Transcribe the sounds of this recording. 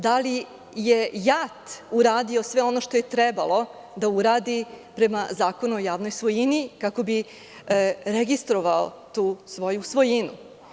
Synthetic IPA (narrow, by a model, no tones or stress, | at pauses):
d̪ali | jejat̪uɾaːd̪io̞sʋe̞o̞no̞ʃt̪o̞je̞t̪ɾɛba̰lˠo̞ | d̪auɾaːd̪ipɾe̞mazaːko̞nuojaːʋnojsʋo̞jinikako̞bi | ɾeɡist̪ɾo̞ʋao̰ | t̪uːsʋo̞jusʋo̞jinu